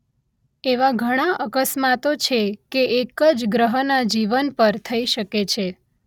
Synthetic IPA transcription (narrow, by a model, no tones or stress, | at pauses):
eʋaɡʱəɽ̃aʔəkəsmat̪ot͡ʃʰekeʔekəd͡ʒɡɾəɦənad͡ʒiʋənpəɾt̪ʰəiʃəket͡ʃʰe